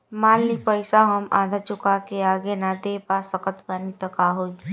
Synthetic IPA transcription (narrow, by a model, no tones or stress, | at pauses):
maːlːipəɪsaɦəmad̪ʱat͡ʃʊkakeaːɡenad̪epasəkət̪pɾaːnit̪əkaɦoːi